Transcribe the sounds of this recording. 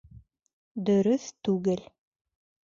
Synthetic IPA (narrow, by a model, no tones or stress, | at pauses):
d̪ɵ̆ɾɵθt̪ʉɡɘl